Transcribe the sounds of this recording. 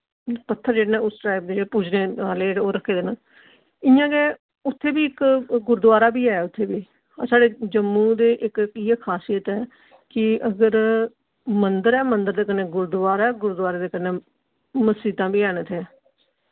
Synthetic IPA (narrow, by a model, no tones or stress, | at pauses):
pət̪ʰːəɾd͡ʒeːɽːnɛ̃ːʊsʈɾaːɪb̚d̪eːeːpuːd͡ʒneːaːleːoːɾəkʰːeːd̪eːnãː | ɪjãːɡeː | ʊt̪ʰːeːbiːɪkɡʊɾd̪ʋaːɾaːbiːaːɛːʊt̪ʰːeːbiː | asaːɖeːd͡ʒəmːũːd̪eːʔɪkkieːkʰaːsijət̪ɛː | kɪəɡəɾ | mənd̪əɾɛːmənd̪əɾd̪eːkənːeːɡʊɾd̪ʋaːɾaɛːɡʊɾd̪ʋaːɾaːd̪eːkənːeː | məsiːt̪ãːbiːɛːnet̪ʰe